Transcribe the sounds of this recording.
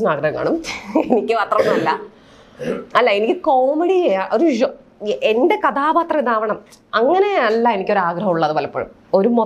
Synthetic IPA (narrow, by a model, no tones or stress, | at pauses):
ɐnaːɡɾɐɦɐŋkːa̰ːɳumenikʲːɨɐt̪rɐnːɐlːɐ̰ | ɐlːɐe̞nikʲːɨkoːmeɽiejaːʔoɾuɕo | ʔende̞kɐd̪aːbaːt̪rɐid̪aːʋɐɳɐm | ɐŋːɐneɐlːɐenikʲːo̞ɾuaːɡrɐɦɐmuɭːɐðɨʋɐlɐpːɐ̰ṵm | o̞ɾumo